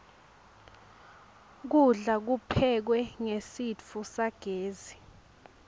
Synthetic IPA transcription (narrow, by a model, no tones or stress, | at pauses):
k̬uɮak̬upʰɛk̬wɛŋesit͡fʰusaɡ̥ʱeːzi